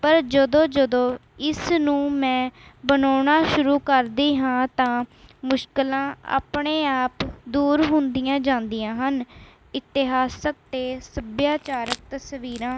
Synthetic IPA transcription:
pəɾd͡ʒəd̪õːd͡ʒəd̪õː | ɪsnũːmɛ̃ːbənaːɳaːʃʊɾuːkəɾd̪iːɦãːt̪ãːmʊʃkɪlãːa̰ːpɳeːaːpd̪uːɾɦʊnd̪ɪjãːd͡ʒãːnd̪ɪjãːɦən | ɪt̪ɪɦaːsək̚t̪eːsəbjaːt͡ʃaːɾək̚t̪əsʋiːɾãː

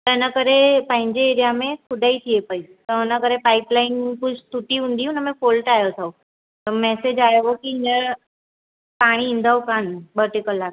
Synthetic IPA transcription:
t̪ənəkəɾepə̃ɦɪ̃ɲd͡ʑeːɾijamẽkʰʊd̪ait̪ʰiepəit̪əʊnəkəɾepaːɪplaːɪnkʊt͡ʃʰt̪ʰuʈiɦũːn̆d̪iʊnəmẽfolʈajot̪ʰau | t̪əmɛːsed͡ʑaːjeʋokiɪnəɾ | paːɽ̃ĩːnd̪ʱaokãnbəɾʈikəlːa

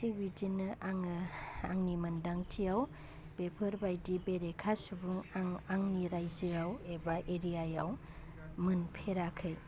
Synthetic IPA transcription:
tibidinɯʔaŋa̰ŋnimɯndaŋtʰijaw | b̥epʰɯɾbajdibeɾekʰasubuŋaŋaŋniɾajzɯawebaʔeɾijajaw | mɯnpʰeɾakʰɯj

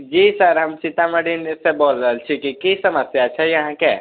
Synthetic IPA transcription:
d͡ʒisəɾɦɐmt͡ʃɪt̪amɐɽinesebɔːɾzəlt͡ʃʰikikeisɐməsjaɐtːʃʰaɦjɐɦãke

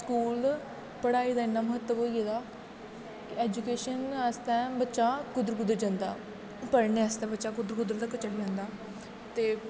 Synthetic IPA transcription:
skuːl | pəɽaːiːd̪aːɪnːaːməɦət̪ːəboːiːeːd̪aː | kɪɛːd͡ʒukeːʃənəst̪ɛ̃ːbətːʃaːkʊd̪ɾkʊd̪əɾd͡ʒãːnd̪a̰ː | pəɾneːəst̪ɛ̃ːbətːʃaːkʊd̪ɾkʊd̪əɾd̪aːkət͡ʃəɽd͡ʒãːnd̪aː | t̪eː

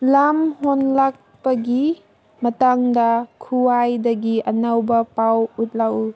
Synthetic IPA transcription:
lamhonlak̚pɐɡi | mɐtaŋdɐkʰuajdɐɡiʔɐnawbɐpawut̚lawu

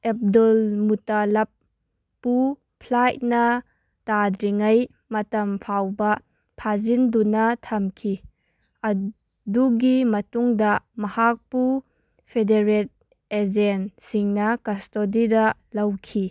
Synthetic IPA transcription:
ep̚dɔlmutalɐpː | u | pʰlajt̚nɐ | tadɾiŋɐj | mɐtɐmpʰawbɐ | pʰazindunɐtʰɐmkʰi | ɐ | duɡimɐtuŋdɐmɐhak̚pu | pʰedeɾet̚ | ezensiŋnɐkɐstodidɐlɐwkʰi

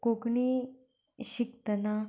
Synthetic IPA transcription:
kokɳi | ɕik̚t̪əna

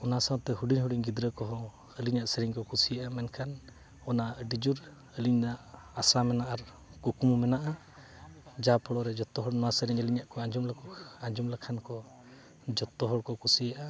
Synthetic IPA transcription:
ɔnasat̪ɛɦuɖiɲɦuɽiɲɡid̪ɾəkɔɦɔ̃ | əliɲaʔsəɾiɲkɔkusijaʔamɛnkʰan | ɔnaɖid͡ʒuɾ | əliɲnaʔ | asamɛnaʔaɾ | kukumumɛnaʔa | d͡ʒapʰɔɽɔɾɛd͡ʒɔt̪ːɔɦɔɽnɔasəɾiɲəliɲaʔkɔaɲd͡ʒumlakaɲd͡ʒumlakʰankɔ | d͡ʒɔt̪ːɔɦɔɽkɔkusijaʔa

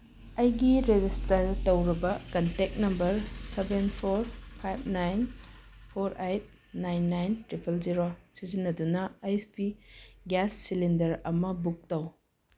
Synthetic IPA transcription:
ɐjɡiɾed͡ʒistɐɾtɐwɾibɐkɐntek̚nɐmbɐɾsebenpʰoɾpʰajbʰnajnpʰoɾejt̚ | najnːajntɾipʰelziɾosizinːɐdunɐajspiɡɛsːilindɐɾɐmɐbuk̚tɐw

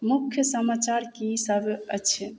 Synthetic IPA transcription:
mukʰjəsəmat͡ʃaɾkisəbʱə̰t͡ʃʰɛ

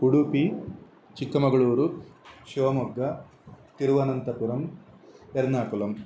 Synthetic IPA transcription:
kuɽupi | t͡ʃikːɐmɐɡɐɭuːɾuʃoːmɔɡːɐ | t̪iɾuʋɐnɐnt̪ɐpuɾɐm | eɾnaːkulɐm

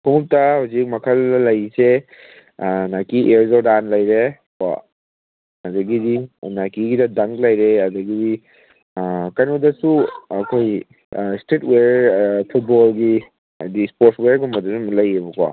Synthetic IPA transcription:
pʰuŋup̚tɐhawzik̚mɐkʰɐllɐjse | nakiʔeɾzodanlɐjɾekwa̰ | ɐdɐɡidinakiɡidɐdɐŋklɐjɾeɐdɐɡidi | kɐjnodɐsuɐkʰoj | stetwepʰut̚bolɡi | a̰dispoɾsweɾɡumbɐdusumlɐjebɐkwa̰

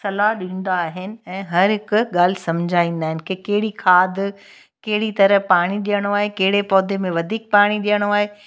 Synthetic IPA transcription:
sɐlaɗĩːn̆d̪aːɦɪnɪ̆ɛ̃ːɦɐɾɦɪkɠaːl̤ɪsɐ̃md͡ʑʱaːĩːn̆d̪aːɦɪnkʰekɐɦɪɽikʰaːd̪ | kɐɦɪɽit̪ɐɾəɦpaːɽ̃iɗijəɽ̃oaːɦekɐɦɪɽepɔːd̪ʱemẽʋɐd̪ʱiːk̚paːɽ̃iɗijəɽ̃oaːɦeː

